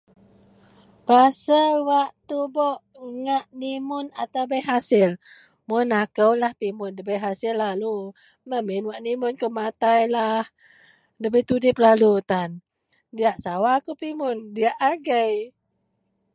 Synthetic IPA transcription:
pasəlwaʔt̪ubɔʔ | ŋaʔnimʊnat̪awbəjɦasɪl | mʊnakəwlahpimʊndəbəjɦasɪlːalu | məmɪnwaʔnimʊnkəmat̪ajlah | dəbəjt̪udɪp̚lalut̪an | diaʔsawakəwpimʊndiaʔaɡəj

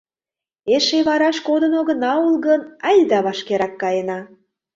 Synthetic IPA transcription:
eʃeβɑɾɑʃkod̪ənoɣə̆nɑulɣənɑjd̪ɑβɑʃkeɾɑkːɑjenɑ

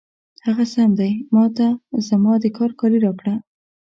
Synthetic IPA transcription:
haɣasamd̪ajmɑt̪azəmɑd̪əkʰɑɾkɑliɾɑkɽa

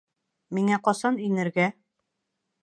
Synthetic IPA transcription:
miŋæqɒsɑnɵ̆jnɘ̆ɾɡæ

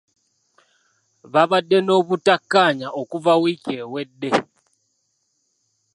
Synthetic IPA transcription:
βaβadːe̞no̞ːβutakːaɲaʔokuvawice̞ːwe̞dːe̞

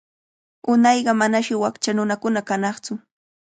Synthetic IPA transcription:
ʊnɑjɢɑmanaʃɪwakt͡ʃanʊnakʊnakanɑχt͡sʊ

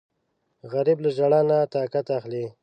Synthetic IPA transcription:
ɣaɾibləʒaɽanat̪ɑkat̪axli

